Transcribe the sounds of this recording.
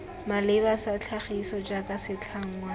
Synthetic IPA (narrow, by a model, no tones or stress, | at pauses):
malɪbasat͡ɬʰaχisɔd͡ʒakʼasɪt͡ɬʰaŋ̩ːŋwa